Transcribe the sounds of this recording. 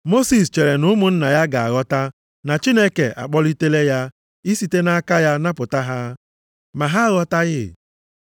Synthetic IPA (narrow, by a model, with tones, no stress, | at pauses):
mo˦si˨st͡ʃe˨ɾe˨nʊ˦mʊ˨n̩˦na˨ja˦ɡa˨a̰˨ɣɔ˦ta˦ | na˨t͡ʃi˦ne˦kḛ˨ʔa̰˨k͡pɔ˦li˦te˦le˦ja˦ | i˦si˦te˦na˦ka˦ja˦na˦pʊ˨ta˦ɦa˦ | ma˨ɦa˦ɣɔ˦ta˦ɣɪ˦˨